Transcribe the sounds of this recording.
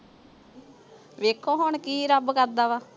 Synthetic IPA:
ʋeːkʰːõːɦoːɳkiːɾəbkəɾd̪aːʋaː

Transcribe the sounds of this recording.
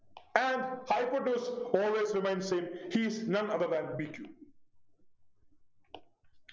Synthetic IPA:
æ̃ɳɖhaɪpəʈuːsɔːlʋeːsɾɪmẽɪ̃nɖsɪ̃mhiznʌ̃nʌd̪əɾd̪æ̃nbikjṵ

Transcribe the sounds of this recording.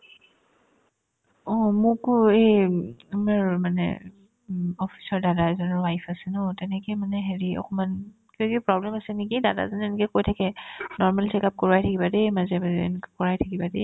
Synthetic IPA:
ɔ̃mʊkʊejamaɹmanɛ̰ | ɔpʰi̥sɔɹdadazɔnɔɹwajpʰasɛnɔtɛnɛkɛmanɛɦeɹiɔ̰kɔmankikipɹɔblɛmasɛnikidada̰zɔnɛnikɛkojtʰakɛnɔɹmalsikap̚kɔɹajtʰakibademazɛma̰nikakɔɹajtʰakibadɛ

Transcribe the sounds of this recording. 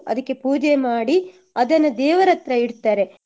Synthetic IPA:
ɐ̰d̪ɐkːe̞puːd͡ʒemaːɽi | ɐd̪ɐnːɐd̪ɛːʋɐɾɐt̪ɾɐiɽt̪aːɾe̞

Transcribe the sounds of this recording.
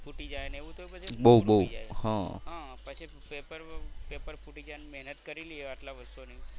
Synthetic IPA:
fuʈid͡ʒajneʋũt̪ʰopət͡ʃʰibowbəwhãɦãpət͡ʃʰi | epəɾpepəɾfuʈid͡ʒanmɛɦnət̪kəɾilieaʈlaʋəst̪onə̃

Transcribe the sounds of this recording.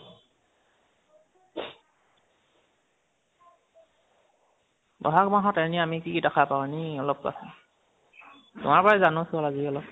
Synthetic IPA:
bɔ̰ɦakmaɦɔtaɹniamikikidakʰapawniɔlɔp̚ka̰sʊ | tʊ̰maɹpɔɹɛzanʊ̃sʊɔlaziɔlɔp̚

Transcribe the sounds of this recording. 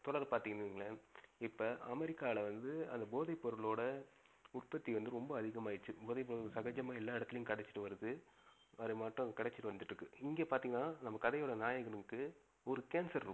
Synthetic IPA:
t̪ɔɽɐɾpaːɾt̪iːŋɡɐnɯɪŋɡɐɭɐɪpːɐʔɐmɛɾɪkːaːʋɪɭɐʋɐnd̪ɯɐ̰nd̪ɐboːðɐɪpːɔɾɯɭoːɽɐ | ʊʈ̚pɐt̪ːiʋɐnd̪ɯɾɔmbɐːðɪɣɐmaːjɪt͡ʃːɯboːðɐɪp̬ːɔɾɯɭsɐɣɐd͡ʒɐmaːɛlːaːɪɽɐt̪ːɪlɐjʊ̃kɐɽɛt͡ʃːɪ̥ʈːɯʋɐɾɯðɯ | ɐðɯmaːʈːʊ̃kɐɽɛt͡ʃːɯ̥ʈːɯʋɐnd̪ɯʈːɾɯkːɯɪŋɡeːpaːɾt̪iːŋɡɐnːaːnɐmːɐkɐðɐjoːɽɐnaːjɐɣɐnɯkːɯ | ɔɾɯkeːnsɐɾɾɯ

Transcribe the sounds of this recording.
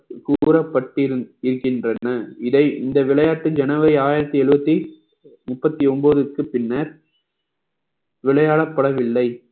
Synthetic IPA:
kuːɾɐpːɐʈːɪɾɪɾɯkːɪndrɐnɐɪðɐɪʔɪnd̪ɐʋɪɭɐjaːʈːɯd͡ʒɛnɐʋɐɪaːjɪɾɐt̪ːiɛɭɯbɐt̪ːi | mʊpːɐt̪ːiɔmboːðɯkːɯpɪnːɐɾ | ʋɪɭɐjaːɭɐpːɐɽɐʋɪlːɐɪ

